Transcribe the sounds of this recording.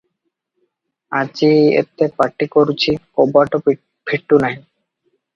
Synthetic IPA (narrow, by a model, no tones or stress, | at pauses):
ad͡ʑiḛt̪epaʈːikoɾut͡ɕʰikobaʈo | pʰiʈːunaj